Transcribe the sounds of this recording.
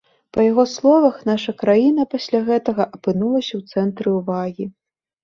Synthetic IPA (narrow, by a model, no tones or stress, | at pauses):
pɐjaɣɔslˠɔvɐxnaʂɐkɾajinɐpasʲlʲaɣɛt̪ɐɣɐʔɐpɨnulˠɐsʲɐwt̪sɛnt̪ɾɨwvaɣʲi